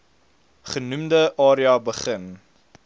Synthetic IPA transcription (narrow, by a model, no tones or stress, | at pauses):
χənumdəʔɑːɾiɐbəχən